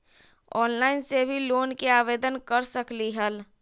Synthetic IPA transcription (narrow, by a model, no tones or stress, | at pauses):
ɔːnlaːɪnsebʱiloːnkeaːʋeːd̪ənkəɾsəkliɦəl